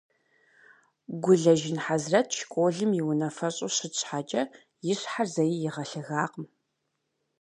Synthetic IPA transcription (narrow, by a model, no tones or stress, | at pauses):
ɡʷʊɮɐʒɪnħazrɐt̚ʰʃkʷʼoːɮɨmjiwʊnɐfɐɕʼoɕɪɕʼħat͡ʃʼɐ | jɪɕħarzɐjijɪʁɐɬɨɣaːqəm